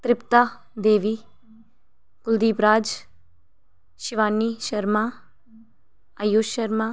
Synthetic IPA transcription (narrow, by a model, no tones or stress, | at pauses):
t̪ɾɪpt̪aː | d̪eːʋiː | kʊld̪iːpɾaːd͡ʒ | ʃɪʋaːnːiːʃəɾmaː | ajoːʃəɾmaː